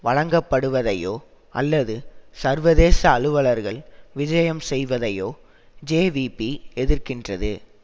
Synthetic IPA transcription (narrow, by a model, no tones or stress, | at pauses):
ʋɐɻɐŋɡɐpːɐɽɯʋɐðɐjoː | ʔɐ̰lːɐðɯsɐɾʋɐðeːsɐːɻɯʋɐɭɐɾɣɐɭʋɪd͡ʒɐjɐmsɛjʋɐðɐjoː | d͡ʒeːʋipiɛðɪɾkɪndrɐðɯ